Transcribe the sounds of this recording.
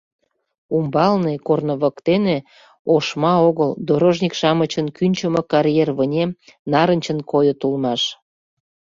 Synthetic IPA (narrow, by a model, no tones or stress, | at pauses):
umbɑlnekornə̆βə̆kt̪ene | oʃmɑoɣəld̪oɾoʒnʲikʃɑmət͡ɕənkynʲt͡ɕəmɤ̆kɑɾjerβənʲemnɑɾənʲt͡ɕənkojot̪ulmɑʃ